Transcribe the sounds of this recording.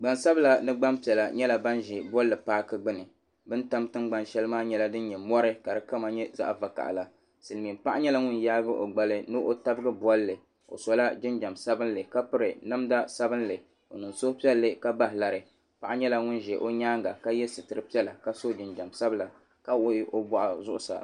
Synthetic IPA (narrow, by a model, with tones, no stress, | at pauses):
ɡ͡ba˨nsa˦bɨ˦la˦nɨ˦ɡ͡ba˦mpi˨ɛ˨la˨ɲɛ˦la˨ba˦nʒɛ˨bɔ˦lːɨ˨paː˦kɨ˦ɡ͡bɨ˦nɨ˨ | bɨ˦nta˦mtɨ˦ŋɡ͡ba˦nʃɛ˦lɨ˦maː˦ɲɛ˦la˦dɨ˦n˦ɲɛ˨mɔ˦ɾɨ˦ka˨dɨ˨ka˦ma˦ɲɛ˦za̰˦ʔva˨ka̰˨ʔla˨ | sɨ˨lmi˨mpa˦ʔa˦ɲɛ˦la˦ŋʊ˦njaː˦bɨ˦ʔo̰˨ɡ͡ba˦lɨ˦nɨ˦ʔo˦ta˦bɨ˦ɡɨ˦bɔ˦lːɨ˨ | o̰˨sɔ˨la˦d͡ʒɪ˦nd͡ʒa˨msa˦bɨ˦n˦lɨ˨ka˦pɨ˦ɾɨ˨na˦mda˦sa˦bɨ˦nlɨ˨ | o˨nɨ˨nso˦pi˦ɛ˦lːɨ˦ka˦ba˦ɦɪ˨la˨ɾɨ˨ | pa˨ʔa˦ɲɛ˦la˦ŋʊ˦n˨ʒɛ˨ʔo˦ɲaː˦ŋɡa˨ka˦jɛ˦sɨ˨tɨ˨ɾɨ˨pi˦ɛ˦la˨ka˦so˦d͡ʒɪ˨nd͡ʒa˨msa˦bɨ˦la˨ | ka˦wo˦ʔo˦bɔ˦˨ʔa˨zʊ˦ʔʊ˦sa̰˨